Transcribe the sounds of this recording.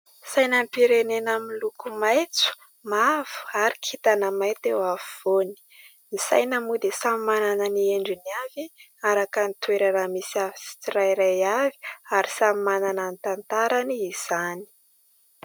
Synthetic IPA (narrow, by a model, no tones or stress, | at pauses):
sajnampiɾenenamilukumajt͡su̥ | mavu̥aɾikʰit̪anəmajt̪ewavuv̥oni̥ | misa̰jnəmud̪esamimanananieɳɖ͡ʐiniavi | aɾakanit̪weɾaɾamisiavi̥si̥t͡siɾajɾajavi̥aɾisamimanananit̪ant̪aɾaniːz̥ani̥